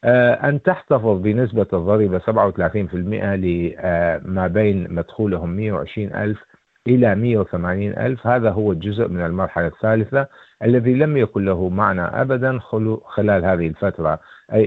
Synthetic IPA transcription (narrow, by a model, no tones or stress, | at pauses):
ʔʔant̪aħt̪ɑfɨðˤbɪnɪsbaðˤːɑɾiːbasabʕawθalaːθiːnfɪlmɪʔalɪ | mabeːnmad̪̥xuːlɦʊmːɪjːawʕɪ̰ʃɾiːnʔa̰lf | ʔɪlamɪjːawθamaːniːnʔa̰lfhaːðaɦʊwːald͡ʒʊzʔmɪnɪlmɑɾˤħalaθːaːlɪθa | ʔalːaðilamjakʊnlaɦumaʕna̰ʔa̰bad̪anxʊluxɪlaːlhaːðɪhɪlfat̪ɾˤɑʔ